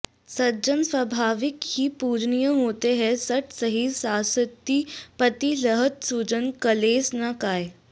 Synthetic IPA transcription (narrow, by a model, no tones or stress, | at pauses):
sɐɾd͡ʒənsʋɐbʱaːʋɪkhipuːd͡ʒnijəɦoːt̪eɦɛsɐʈʰsəɦisaːsɪt̪ːipət̪ilɐɦət̪suːd͡ʒənkɐleːsnakaːje